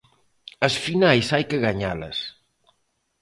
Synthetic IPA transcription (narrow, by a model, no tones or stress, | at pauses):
ɐsfinajsajkɪɣaɲa̰lɐ̰s